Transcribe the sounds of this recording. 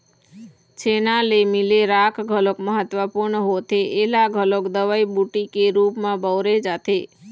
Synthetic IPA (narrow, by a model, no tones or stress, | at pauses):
t͡ʃʰenalemileɾakʰɡʱəlokməɦət̪ʋəpuɾɳəɦot̪ʰeʔːlaɡʱəlokd̪əʋaibuʈikeɾupmãbəʋɾed͡ʒat̪ʰe